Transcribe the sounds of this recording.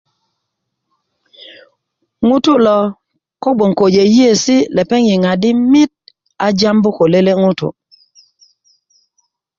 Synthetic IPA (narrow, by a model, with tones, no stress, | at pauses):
ŋu˦tʊ˦lɔ˨ | kɔ˦bo˨ŋko˨d͡ʒe˨je˦sɪ˦lɛ˨pɛ˦ŋji˨ŋa˨dɪ˦mɪ˦t̚ | a˦d͡ʒa˦mbʊ˦ko˨le˦le˦ŋʊ˦tʊ̰˨